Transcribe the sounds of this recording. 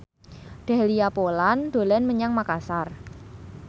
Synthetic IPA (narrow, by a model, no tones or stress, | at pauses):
ɖ̥a̤liapoland̪̥o̤lɛnməɲaŋmakasar